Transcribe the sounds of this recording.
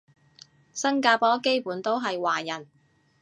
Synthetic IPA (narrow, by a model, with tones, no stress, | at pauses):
sɐ˥ŋkaː˧pɔː˥ke˥jpuː˨˥nt̪o˥wɦɐ˨jwaː˨˩jɐ˨˩n